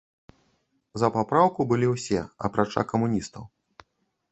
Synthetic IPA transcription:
zɐpapɾawkubɨlʲiwsʲɛ̰ɐ̰pɾat͡ʂa̰kɐmunʲist̪ɐw

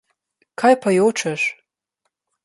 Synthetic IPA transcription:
kʰajpʰajowʈ͡ʂʰɐʂ

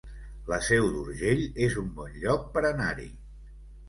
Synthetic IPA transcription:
ləsɛwd̪uɾʒeʎezumbɔnʎɔk̚pəɾənaɾḭ

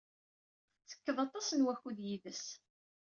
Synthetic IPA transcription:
θə̥kːəðˤɑt̪ˤɑsənwæçuðjiðəs

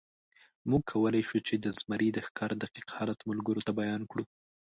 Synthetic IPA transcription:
muɡ̚kʰawəlajʃut͡ʃed̪əzmaɾʔid̪əxkɑɾd̪aqiqhɑlat̪mʊlɡəɾot̪abajɑnkɽu

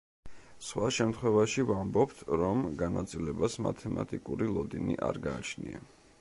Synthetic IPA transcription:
sχwaʃɛmt̪ʰχwɛvaʃivambɔp̚t̪ʰɾɔmɡanat̪sʼilɛbasma̰t̪ʰɛmat̪ʼikʼuɾilˠɔd̪inḭʔa̰ɾɡaːt͡ʃʰnia

